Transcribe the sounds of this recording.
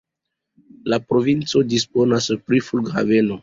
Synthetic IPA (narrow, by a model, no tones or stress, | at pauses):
lapɾo̞vint͡sodispo̞naspɾifulɡha̰ve̞no̞